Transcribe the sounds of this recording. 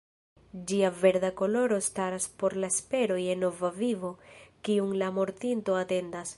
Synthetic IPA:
d͡ʒiave̞ɾdako̞lo̞ɾo̞staɾaspo̞ɾlaespe̞ɾo̞je̞nːo̞vavivo̞kiuŋlamo̞ɾtinto̞ate̞ndas

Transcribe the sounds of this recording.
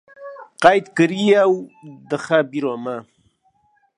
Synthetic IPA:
qajt̪kəɾiawd̪əxabiɾoma

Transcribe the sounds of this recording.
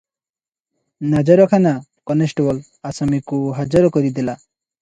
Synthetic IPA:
nad͡ʒɔɾɔkʰanakɔnesʈebɔl | asamikuɦad͡ʒɔɾɔkɔɾid̪ela

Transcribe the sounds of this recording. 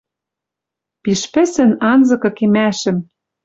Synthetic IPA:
piʃpɘ̆sɘ̆nɑnzɤ̆kɤ̆kemæʃɘ̆m

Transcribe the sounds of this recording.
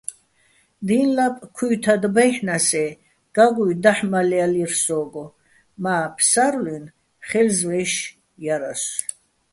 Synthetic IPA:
d̪inlapʼkʰujt̪ʰad̪bajħnasɛ | ɡ̥aɡujd̪aħmalɛalirsɔːɡɔ | maːpʰsaɾlun | χɛlzvɛːʃ | jaɾas

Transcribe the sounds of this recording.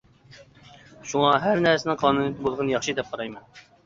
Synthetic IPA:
ʃuŋɑɦæɾnæɾsɪnɪqʰɑːnunit̪ɪbolˠʁənjɑχʃɨd̪ɛp̚qʰɑɾɑjmɑn

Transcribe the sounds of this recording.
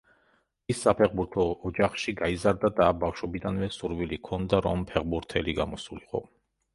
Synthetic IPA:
isːapʰɛʁbuɾt̪ʰɔːd͡ʒaχʃiɡaizaɾd̪ad̪abafʃwɔbid̪anvɛsuɾvilikʰɔnd̪aɾɔmpʰɛʁbuɾt̪ʰɛliɡamɔsuliqʼɔ̰

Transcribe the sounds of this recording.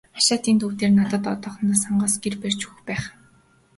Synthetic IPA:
aʃaːt̪iːnt̪ʰuwt̪eːrnat̪ə̆t̪ɔt̪ɔːχɞ̆nt̪aːsaɴɢɔːsɡerpert͡ɕuxpæːχ

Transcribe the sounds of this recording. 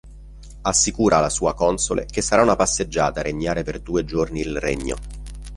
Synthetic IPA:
asːikuːɾʔaːlːasuːakɔnsolʔḛkesːaɾaunapasːed͡ʒːaːt̪aɾeɲːaːɾeperd̪uːed͡ʒorniːlrḛɲːo̰

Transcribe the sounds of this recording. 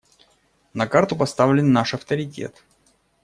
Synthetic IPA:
nɐkart̪ʊpɐst̪avlʲɪnːaʂɐft̪əɾʲɪtʲḛt̪

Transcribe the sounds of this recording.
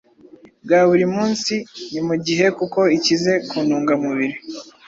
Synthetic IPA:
bɡaːβuɾimuːnsinimuɟiɦe̞kuko̞icize̞kuːnuːŋɡamuβiɾi

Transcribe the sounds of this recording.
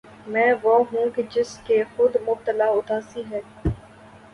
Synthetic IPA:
mɛ̃ːʋoɦũːked͡ʒɪskexʊd̪mʊb̚t̪əlaːʊt̪ʰaːsiɦɛː

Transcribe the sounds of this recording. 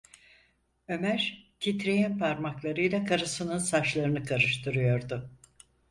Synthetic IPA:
ø̞mæɾcʰit̪ɾejænpʰaɾmaklˠaɾɯjlˠakʰaɾɯsɯnɯnsaʃlˠaɾɯnɯkʰaɾɯʃt̪ʰɯɾɯjo̞ɾd̪ʊ

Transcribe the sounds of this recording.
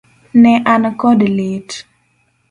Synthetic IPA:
nɛʔankɔdlit

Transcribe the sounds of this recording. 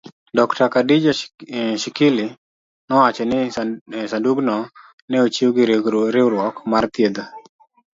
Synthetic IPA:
dɔktakadid͡ʒaʃɪkɪlɪ | nɔat͡ʃenɪsanduɡnɔ | nɛot͡ʃioɡɪɾeɡɾɪʊɾwɔkmart̪jed̪a

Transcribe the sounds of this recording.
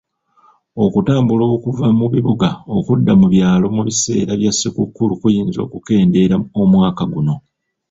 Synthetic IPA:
o̞kutaːmbulo̞ːkuvamuβiβuɡaokudːamuβjaːlo̞muβise̞̰ːɾaβjasːikukːulukujiːnzo̞̰ːkuke̞ːnde̞ɾaomwaːkaɡuno̞

